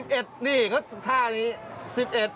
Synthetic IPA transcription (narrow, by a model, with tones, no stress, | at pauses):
p̚ʔe˨˩t̪̚niː˧˩kʰɔː˦˥˩t̪ʰaː˥˩niː˦˥si˨˩p̚ʔe˨˩t̪̚